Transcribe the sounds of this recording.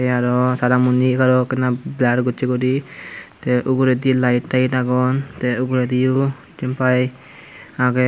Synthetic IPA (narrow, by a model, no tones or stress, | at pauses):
eaɾɔsaɾamunikaɾɔkɛnablaʈɡɔt͡ʃikɔɾit̪eʔuɡuɾed̪ilajʈːajʈaɡɔnt̪euɡuɾed̪iju | t͡ʃimpaj | aɡe